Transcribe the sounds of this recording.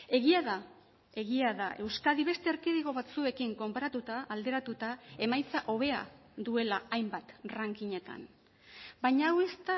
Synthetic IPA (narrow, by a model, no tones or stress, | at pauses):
e̞ɣiaða | e̞ɣiaðaʔe̞wskaðiβe̞st̪eaɾkeðiɣ̞o̞β̞at͡sue̞kiŋko̞mpaɾat̪ut̪aːld̪e̞ɾat̪ut̪ae̞majt͡saʔo̞β̞e̞a̰d̪ue̞laajmbat̪raŋkiɲe̞t̪a̰n | bajɲaːwe̞st̪a